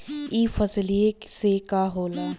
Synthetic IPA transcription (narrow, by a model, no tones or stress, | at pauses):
iːfɐslieksekaɦoːlaː